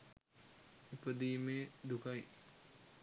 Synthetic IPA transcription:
ipəd̪iːmeːd̪ukaj

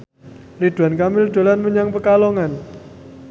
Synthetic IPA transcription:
lid̪̥ṳankamɪld̪̥o̤lanməɲaŋpəkalɔŋan

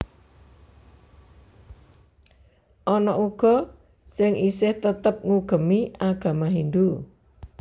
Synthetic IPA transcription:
ʔɔnɔʔuɡ̥ɔ̤ | sɪŋʔisɪht̪ət̪əp̚ŋuɡ̥ə̤miʔaɡ̥a̤maɦind̪u

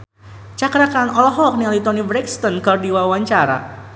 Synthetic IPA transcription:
t͡ʃakɾakanɔlɔɦɔk̚nilit̪ɔnibɾɛkst̪ɔnkɔrdiwawaɲt͡ʃaɾa̰

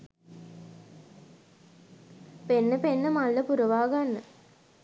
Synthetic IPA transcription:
penːəpenːəmalːəpuɾɐʋaːɡanːə

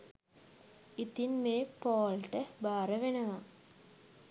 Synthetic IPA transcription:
it̪inmeːpoːlʈəbaːɾəʋenəʋa

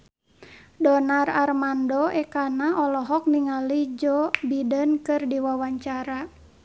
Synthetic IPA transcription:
dɔnararmandɔɛkanaʔɔlɔɦɔk̚niŋalid͡ʒɔbidənkɨrdiwawaɲt͡ʃaɾa

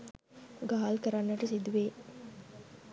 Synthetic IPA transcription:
ɡaːalkəɾanːəʈəsid̪uʋeː

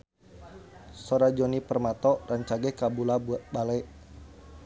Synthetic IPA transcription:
sɔɾad͡ʒɔnipərmat̪ɔraɲt͡ʃaɡɛkabulabalɛʔ

